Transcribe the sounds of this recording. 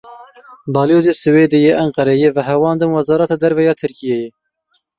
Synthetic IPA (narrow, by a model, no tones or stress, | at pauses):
bɑːljoːzesɨweːd̪ɨjeːʔæŋqɐɾɛjevəɦɛwɑːnd̪ɨmwɛzɑːɾɛt̪ɑːd̪ɛɾvɛjɑːt̪ʰɨɾkʰijeje